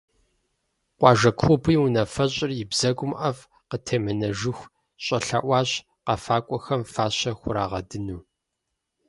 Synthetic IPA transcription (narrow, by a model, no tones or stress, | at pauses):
qʷɑːʒɐkʷxʷʊbiːwʊnɐfɐɕʼɪrjɪbzɐɡʷʊmʔɐv | qətʰeːmɐnɐʒɪxʷ | ɕʼɐɬaːʔʷɑːɕ | qɑfaːkʷʼɔxɐmfaːɕɐxʷʊɾa̰ːʁɐ̰dɨnuː